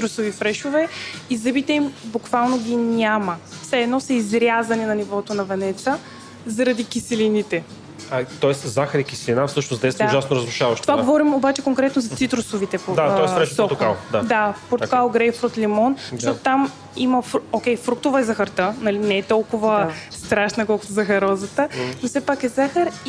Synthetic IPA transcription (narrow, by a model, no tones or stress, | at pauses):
it̪ɾʊsovifɾɛʃovɛizɐbit̪ɛimbʊkvalˠnoɡʲinʲaməfsɛːd̪nɔsɐizɾʲjazɐninɐnivɔt̪onɐvɛnɛt̪sə | zɐɾɐd̪ikisɛlinit̪ɛ | t̪ɔɛszaxɐɾikʲisɛlʲinafsɤʃnozd̪ɛst̪ːʒasnoɾəzɾuʃavɐʃt̪ovaɡovɔɾimobat͡ʃɛkoŋkɾɛt̪nozɐt̪sit̪ɾʊsovit̪ɛpod̪aɔɛɾɛsɔt̪kalˠd̪ad̪apoɾt̪ʊ̥kalˠɡɾɛjfɾot̪limɔnəʃt̪ɔt̪o̥t̪am | iməfɾokʲɛjfɾuk̚t̪ʊvəɛzɐxɐɾt̪ənɐlinɛɛt̪ɔlˠkʊvəst̪ɾaʃnɐkɔlˠkʊ̥t̪zɐxɐɾɔzət̪ənofsɛpakɛzaxəɾi